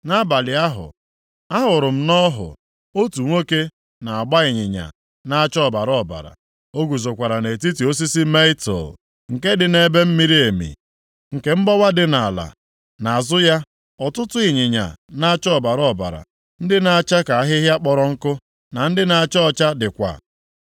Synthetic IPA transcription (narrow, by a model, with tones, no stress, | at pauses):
na˦ba˨lɪ˨a˦ɦʊ̰˨ | a˦ɦʊ˨ɾʊ˨m̩˦nɔ˦ɦʊ̰˨ | o˦tu˨ŋʷo˦ke˦ | na˨a˨ɡ͡ba˦ɪ˨ɲɪ˨ɲa̰˨ | na˦a˦t͡ʃɔ˦˨ba˨ɾɔ˦˨ba̰˨ɾa̰˨ | o˦ɡu˨zo˨kʷa˨ɾa˨ne˨t̬i˦ti˨o˦s̬i˦si˦me˦ɪ˦to̰˨l | ŋ̩˨ke˦dɪ˨ne˨be˦m̩˦mi˦ɾi˦e˨mḭ˨ | ŋ̩˨ke˦m̩˦bɔ˦wa˦dɪ˨na˨la̰˨ | na˨a˨zʊ˦ja˦ | ɔ˨tʊ˦tʊ˦ɪ˨ɲɪ˨ɲa̰˨na˦a˦t͡ʃɔ˦˨ba˨ɾɔ˦˨ba̰˨ɾa̰˨ | n̩˦dɪ˦na˨a˨t͡ʃa˦ka˨a˦ɦɪ˦ɦja˦k͡pɔ˨ɾɔ˨ŋ̩˦kʊ˦ | na˨n̩˦dɪ˦na˨a˨t͡ʃɔ˨t͡ʃa˦dɪ˨kʷa̰˨